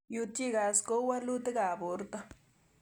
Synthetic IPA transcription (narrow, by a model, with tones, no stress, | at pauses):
ju˧t̪i˦ɡa˨sko˦wa˦lu˦t̪e˦ɡa˨bo˨ɾt̪a˦